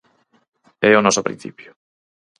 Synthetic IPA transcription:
ɛonɔsʊpɾḭ̃n̟θḭpjʊ

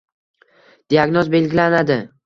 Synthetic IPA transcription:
d̪̥iaɡnɒzbe̞lɡʲɪlanad̪ɪ

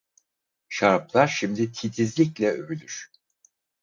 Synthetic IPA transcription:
ʃaɾplˠaɾʃimd̪it̪ʰit̪ʰizlʲiclʲɛøβylʲyɾ̥

